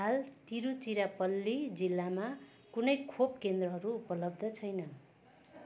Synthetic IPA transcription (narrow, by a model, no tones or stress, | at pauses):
alt̪iɾut͡siɾapʌlːid͡zilːama | kunʌjkʰop̚kend̪rʌɦʌɾuːpʌlʌb̚d̪ʱʌt͡sʰʌjnʌ